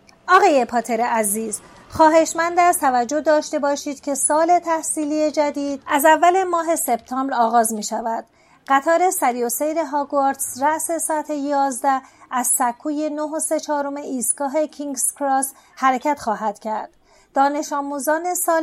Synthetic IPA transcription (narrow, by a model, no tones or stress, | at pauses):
ʔɒːɣɒːje̞pʰɒːt̪ʰeɾeʔæziːz | xɒːɦe̞ʃmænd̪æst̪ʰævæd͡ʒːo̞d̪ɒːʃt̪e̞bɒːʃiːd̪̥cʰe̞sɒːle̞t̪ʰæhsiːlije̞d͡ʒæd̪iːd̪̥̚æzævːælemɒːɦe̞se̞b̥̚t̪ʰɒːmbɾɒːɣɒːzmiːʃævæd̪̥ | ɢæt̪ʰɒːɾe̞sæɾijosejɾeɦɒːɡoɾt̪sɾæʔse̞sɒæt̪ʰejɒːzd̪ææzsækʰːuːje̞noɦose̞t͡ʃʰɒːɾo̞me̞ʔiːst̪ɡ̥ɒːɦe̞cʰiŋɡskɾɒːs | hæɾecʰæt̪xɒːɦæd̪̥cʰæɾd̪̥ | d̪̥ɒːne̞ʃɒːmuːzɒːne̞sɒː